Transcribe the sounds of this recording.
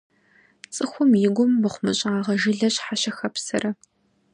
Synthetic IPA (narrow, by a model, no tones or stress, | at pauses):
t͡sʼɨxʷʊmjɪɡʷʊmːɨχʷʊmɨɕʼaːʁɐʒɪɮɐɕħaɕɐxɐpsɐ̰rɐ